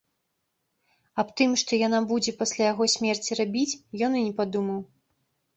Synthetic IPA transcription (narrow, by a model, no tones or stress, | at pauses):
apt̪ɨmʂt̪ɔjanabud͡zʲɛpasʲlʲajaɣɔsʲmʲɛrt͡sʲirabʲit͡sʲjɔninʲɛpad̪umɐw